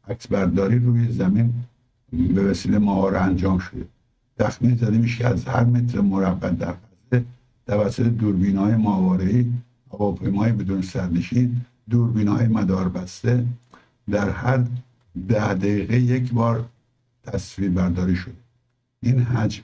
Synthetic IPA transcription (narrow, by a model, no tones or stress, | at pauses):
ʔæksbæɾd̪ɒːɾiːɾuːjezæmin | bevæsiːlemæʔɒːɾeænd͡ʒɒːmʃod̪e | t̪ʰæxmiːnzæd̪emiʃkʰeæzhæɾme̞t̪ʰɾemoɾæbːæt̪̚d̪æɾfæze | t̪ʰævæsːot̪ʰed̪uːɾbiːnhɒːjemɒːvɒːɾeiː | hævɒːpʰe̞jmɒːjebe̞d̪uːnsæɾneʃiːn | d̪uːɾbiːnhɒːjemæd̪ɒːɾbæst̪e | d̪æɾhæɾ | d̪æhd̪æiːɣejecʰbɒːɾ | t̪ʰæsviːɾbæɾd̪ɒːɾiːʃod̪e | ʔinɦæd͡ʒ